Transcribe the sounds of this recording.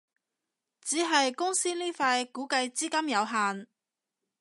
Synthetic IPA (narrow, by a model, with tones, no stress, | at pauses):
t͡siː˨˥ɦɐ˨jkʊ˥ŋsiː˥niː˥faː˧jkuː˨˥kɐ˧jt͡siː˥kɐ˥mjɐ˨˧wɦaː˨n